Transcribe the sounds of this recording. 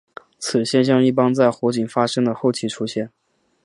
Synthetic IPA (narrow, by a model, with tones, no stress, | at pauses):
t͡sʰɹ̩˨˩ɕjɛ˥˧nɕ̬jɑ˥˧ŋi˥˩p̬ɑ˥ŋt͡sa˥˩ɪxwɔ˧˥t͡ɕi˨˩ŋfa˥ʂɤ˥ŋd̪ə˨xo˥˩ʊt͡ɕʰi˥˩ʈ͡ʂʰu˥ɕjɛ˥˩n